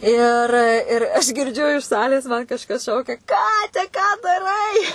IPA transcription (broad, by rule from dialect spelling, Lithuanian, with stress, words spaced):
ɪr ɪr ˈɐʃ ɡʲɪrʲˈd͡ʒʲʊ ɪʃ ˈsɑːlʲeːs mɐn kɐʃˈkɐs ˈʃɐʊkʲɛ ˈkɑːtʲɛ kɑː dɐˈrɐɪ